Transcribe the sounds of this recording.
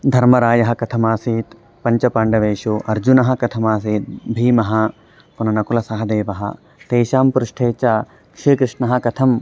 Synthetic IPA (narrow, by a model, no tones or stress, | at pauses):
d̪ʱɐɾmɐɾaːjɐɦɐ̆kɐt̪ʰɐmaːsiːt̪ | pɐɲt͡ʃɐpaːɳɖɐʋeːʃuʔɐɾd͡ʒunɐɦɐ̆kɐt̪ʰɐmaːsiːt̪̚bʱiːmɐɦɐ | kunɐnɐkulɐsɐɦɐd̪eːʋɐɦɐ̰ | t̪eːʃaːmpɾuʂʈʰeːt͡ʃaː | kʂiːkɾɪʂɳɐɦɐkɐt̪ʰɐm